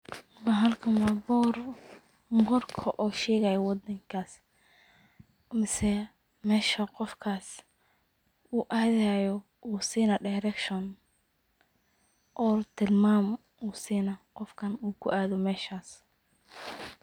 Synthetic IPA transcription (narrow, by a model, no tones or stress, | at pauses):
bɐɦɐlkʰɐnwabɔr | bɔrkʰɐʔɔːʃɛːɣaːjɔwɑd̪ɐŋkʰaːs | mɪsɛ | mɛːʃɐqɔfkʰaːs | uːʔaːðajɔ | ʔuːsiːnɐɖajɾɛkʃɔn | ʔɔːt̪ʰɪlmaːm | uːsiːnɐqɔfkʰɐnuːkʰʊ̰ʔaːðɔmɛːʃaːs